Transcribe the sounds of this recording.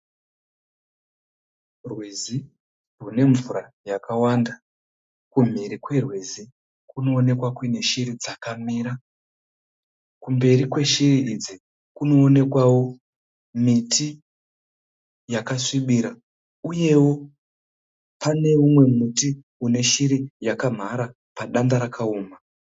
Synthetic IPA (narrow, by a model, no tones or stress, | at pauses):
rwizi | rune̞ɱvurajakawanda | kum̤iɾikwe̞rwizi | kuno̞ːne̞kwakwine̞ʃiɾid͡zakamiːɾa | kumbe̞ɾikwe̞ʃiriid͡zi | kuno̞ːne̞kwawo̞ | mitʰi | jakasiɓiːɾa | uje̞wo̞ | pane̞umwe̞muti | une̞ʃiɾijakam̤aɾa | paɗandaɾakʰaoːma